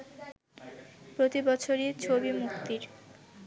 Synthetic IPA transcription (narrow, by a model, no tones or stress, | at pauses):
pɾot̪ibɔt͡ɕʰoɾet͡ɕʰobimuk̚t̪iɾ